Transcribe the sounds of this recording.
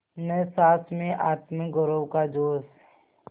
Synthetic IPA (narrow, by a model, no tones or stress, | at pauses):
nɛ̃saːt̪ʰmẽʔaːt̪mɪk̚ɡəɾowkad͡ʒoːs